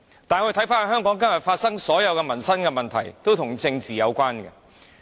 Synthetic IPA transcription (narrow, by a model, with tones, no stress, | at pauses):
t̪aː˨nkɵ˨˧t̪ʰɐ˨˥jfaː˥ɐ˨˩hœː˥ŋkɔː˨˥ŋkɐ˥njɐ˨˩t̚faː˧t̚sɐ˥ŋsɔː˨˥jɐ˨˧wkɛ˧mɐ˨˩nsɐ˥nkɛ˧mɐ˨nt̪ʰɐ̰˨˩jt̪o˥wt̪ʰʊ˨˩ŋt͡sɪ˧ŋt͡siː˨jɐ˨˧wkʷaː˥nkɛ̰˧